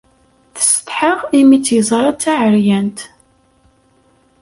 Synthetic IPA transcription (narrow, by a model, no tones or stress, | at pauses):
θə̥st̪ħəʁimit͡sːjəzˤɾˤɑt͡sːæʕəɾjænt̪